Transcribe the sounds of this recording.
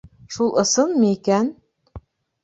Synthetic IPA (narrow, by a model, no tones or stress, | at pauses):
ʃulˠɤ̆sɤnmiikæn